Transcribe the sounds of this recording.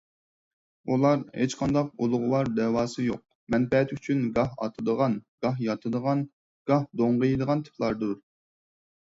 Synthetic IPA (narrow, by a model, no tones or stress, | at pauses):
ulˠɑɾhet͡ʃqʰɑnd̪ɑqulˠʊʁʊwɑɾd̪ɛːwɑːsɨjoq̚ | mɛnpɛt̪yt͡ʃʰynɡɑɦɑ̰t̪ʰɨd̪əʁɑnɡ̥ɑɦjɑt̪ʰɨd̪əʁɑn | ɡ̥ɑhd̪oɴʁəjd̪əʁɑnt̪ʰɨ̥plˠɑɾd̪uɾ